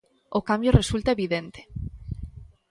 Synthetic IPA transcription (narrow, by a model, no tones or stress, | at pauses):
okambjoresult̪aeβiðent̪e̥